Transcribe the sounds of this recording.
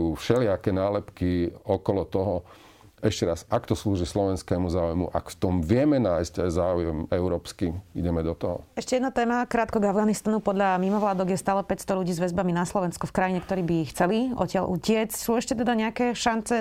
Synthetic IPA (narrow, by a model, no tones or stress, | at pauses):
uːfʃɛlɪakɛnaːlɛpkiɔkɔlɔt̪ɔɦɔ | ɛʃcɛɾasakt̪ɔsluːʒislɔʋɛnskɛːmuzaːujmṵʔa̰kft̪ɔmʋɪɛmɛnaːjsczaːujɛmɛʊɾɔːpskiiɟɛmɛd̪ɔt̪ɔɦɔ̰ɛʃcɛjɛd̪nat̪ɛːmakɾaːt̪kɔɡavɡaːnist̪anupɔd̪ʎamimɔʋlaːd̪ɔɣjɛst̪aːlɛpɛcst̪ɔlʎuɟiːzʋɛzbaminaslɔʋɛnskufkɾajiɲɛkt̪ɔɾiːbixt͡sɛliʔɔ̰cɪalʔṵcɪɛt͡scsuːɛʃcɛt̪ɛd̪aɲɛakɛʃant͡sɛ